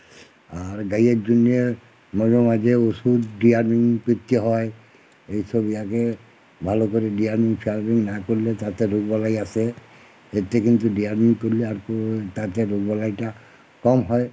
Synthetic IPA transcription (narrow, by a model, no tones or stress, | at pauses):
aɹɡajek̚d͡ʒunie | mɔɾɔmad͡ʒeosudːijaɹmiŋpɹit̪ːiɦɔj | ejsobiake | bʱalokoɾidijaɹmiŋpʰialbiŋnakoɹilet̪at̪eɾuɡbɔlajase | et̪ekint̪udiaɹmiŋkoɹileaɹkot̪at̪eɾuɡbɔlajʈa | kɔmɦɔj